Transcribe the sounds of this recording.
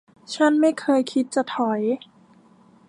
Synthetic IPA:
t͡ɕʰa˥˨nma˥˩jkʰɤː˧jkʰi˦˥t̪̚t͡ɕa˨˩t̪ʰɔ˨˩˦j

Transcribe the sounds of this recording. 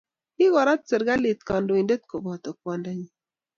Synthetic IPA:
i˦ɡɔ˨ɾa˦tt͡sə˨ɾɡa˦li˨t̪̚kɔ˨ndo˨i˨nde˦t̚ko˨bɔ˨tɔ˨pwɔ˨nda˨˦ɲi˨

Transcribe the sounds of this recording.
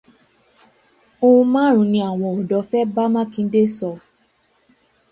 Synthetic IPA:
o˧ũ˧mãː˦ɾ̃ũ˨˧˨nĩ˧a˦˨w̃ɔ̃˨o˨dɔ˨˦fɛ˦ba˦mã˦kĩ˧˦de˦sɔ˧

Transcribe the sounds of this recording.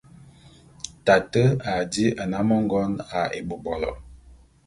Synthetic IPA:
ta˨tə˦a˨di˦ʔa˨na˦mɔ˦ŋ˦ɡɔ˦na˨ḛ˨bu˨bɔ˨lɔ̰˨

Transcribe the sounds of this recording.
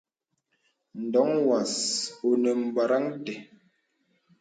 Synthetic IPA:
n̩˨dɔ˨˦ŋwa˨so˨nə˨m̩˨ba˨ɾa˦ŋtɛ˨

